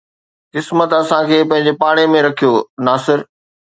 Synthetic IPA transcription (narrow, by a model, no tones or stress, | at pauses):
kɪsmət̪ɐsãkʰeːpɐ̃ɦɪ̃ɲ̆d͡ʑepaːɽ̃emẽɾɐkʰijonaːsɪɾ